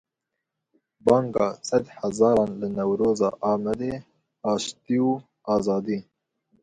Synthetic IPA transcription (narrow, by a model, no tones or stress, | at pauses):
bɑːŋɡɑːsɛd̪hɛzɑːɾɑːnlɨnɛwɾoːzɑ̰ːʔɑːmɛd̪eː | ɑːʃt̪iːuː | ɑːzɑːd̪iː